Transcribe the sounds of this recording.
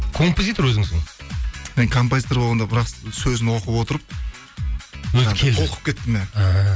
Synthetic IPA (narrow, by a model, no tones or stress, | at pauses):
kʰo̞mpozit̪oɾwɵzɪŋsɪŋ | meŋkʰo̞mpozit̪o̞ɾbolˠʁɑnd̪ɑbɪɾɑqsɵzɪnwo̞qəpwo̞t̪əɾəp̚ | wɵzkʲʰe̞ld̪ɪoqə̥p̚kʲet̪ːɪmeaɑ